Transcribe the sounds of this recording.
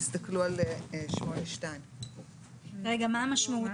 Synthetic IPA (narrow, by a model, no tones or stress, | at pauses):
st̪aklualʃmoeʃtajn | ʁeɡamaamaʃmaut